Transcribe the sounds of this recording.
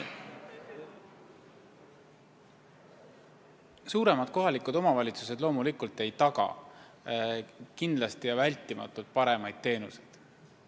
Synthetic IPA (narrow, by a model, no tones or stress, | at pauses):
suːɾe̞mɑd̪̥̚ko̞ɦɑlikud̪̥o̞mɑvɑlʲit̪sus̬e̞d̪̥lo̞ːmulikult̪ˑe̞jt̪ɑɡɑ̰ | kind̪lɑst̪ijɑvælʲt̪ˑːimɑ̰t̪ːˑult̪̚pɑɾe̞mɑjd̪̥̚t̪ːe̞ːnuse̞jd̪̥